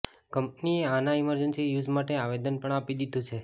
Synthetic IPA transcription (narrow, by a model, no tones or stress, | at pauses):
kəmpnieanaiməɾd͡ʒənsijud͡ʒmaʈeaʋed̪ənpəɳapid̪id̪ũt͡ʃʰe